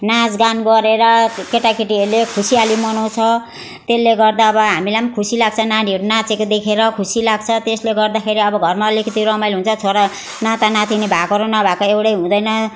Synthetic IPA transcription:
nad͡zɡanɡʌɾeɾʌkeʈakiʈielekʰusialimʌnʌw̃t͡sʰʌ | t̪elːeɡʌrd̪aːbʌɦamilajmkʰusilaɡ̚t͡sʰʌnaniʌɾunat͡sekod̪ekʰeɾʌkʰusilaɡ̚t͡sʰʌt̪esleɡʌrd̪akʰeɾiʌbʌɡʱʌrmaːlikʌt̪iɾʌmʌjlɦunt͡sʰʌt͡sʰoɾʌ | nãt̪anãt̪ʰinebʱakoɾonʌbʱakoewʈʌjɦũd̪ʌjnʌ

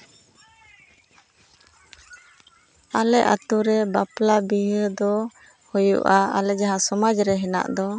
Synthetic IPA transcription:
alɛʔa̰t̪uɾɛbaplabiɦəd̪ɔ | hɔjṵʔaa̰lɛd͡ʒaɦasɔmad͡ʒɾɛɦɛna̰ʔd̪ɔ

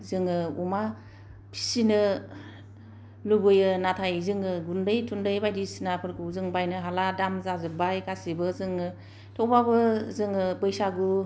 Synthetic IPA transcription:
zɯŋɯṵma | pʰi̥sinɯ | lubɯjɯnatʰajzɯŋɯɡundɯjtʰundɯjbajdisinapʰɯɾkʰɯwzɯŋbajnɯɦaladamzazɯbajkasibɯzɯŋɯ | tʰɔwbabɯzɯŋɯbɯjsaɡu

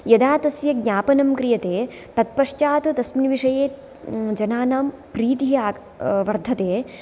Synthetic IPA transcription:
jɐd̪aːt̪ɐsjɐɡ̚ɲʲaːpɐnɐmkɾijɐt̪eː | t̪ɐt̪̚pɐʂt͡ʃaːt̪ut̪ɐsminʋiʂɐjeː | d͡ʒɐnaːnaːmpɾiːt̪iɦaː | ʋɐɾd̪ʱɐt̪eː

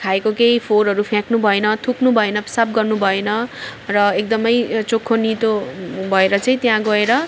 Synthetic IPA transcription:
kʰaekokejpʰoɾɦʌɾupʰjãknubʱʌenʌt̪ʰuknubʱʌenʌpsap̚ɡʌrnubʱʌenʌrʌek̚d̪ʌmʌjt͡sokʰːonit̪obʱʌeɾʌt͡sʌĩt̪jãɡʌeɾʌ

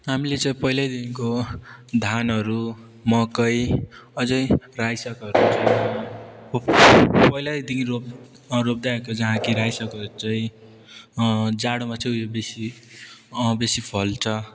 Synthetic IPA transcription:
ɦamilet͡saĩpʌɦilajd̪inkod̪ʱanɦʌɾu | mʌkʌjʌd͡zʌjrajsʌkʌɾut͡sʌ | pʌilad̪inro | ɾob̚d̪aekod͡zʌɦãkiɾajsʌkʌɾut͡saĩ | d͡zaɽomat͡sʰʌ̃jobesi | besipʰʌlt͡sʰʌ

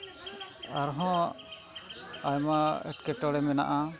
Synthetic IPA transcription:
aɾɦɔ̃ | ajmaɛ̰ʈkɛʈɔɽɛmɛna̰ʔa

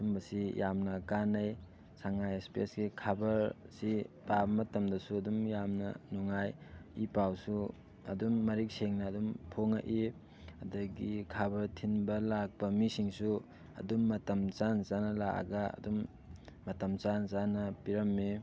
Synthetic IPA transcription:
dumbɐsijamnɐkanɐj | saŋajespesɡikʰabɐɾsipabɐmɐtɐmdɐsuɐdumjamnɐ̰nuŋajipawsu | ɐdumːɐɾik̚seŋnɐːdumpʰoŋa̰ʔi | ɐdɐɡikʰabɐɾtʰinbɐlak̚pɐmisiŋsu | ɐ̰dumːɐtɐmt͡ʃansanɐlaʔa̰ɡaɐ̰dumː | ɐtɐmt͡ʃanzanɐpiɾɐmːi

